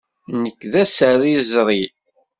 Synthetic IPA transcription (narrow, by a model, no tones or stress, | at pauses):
nəkːðæsəɾˤizɾˤi